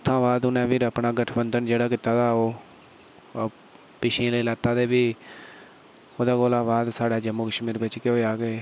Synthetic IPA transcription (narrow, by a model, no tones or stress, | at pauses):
t̪ʰːãːbaːd̪ʊnɛ̃ːpɪɾəpnaːɡəʈʰbənd̪ənd͡ʒeːɽaːkɪt̪ːaːt̪aːoː | pɪʃĩːləːlaːt̪ːaːd̪eːbiː | oːd̪aːɡoːlãːbaːd̪saːɽaːd͡ʒəmuːkəʃmiːɾʋɪt͡ʃkeoːaːɡeː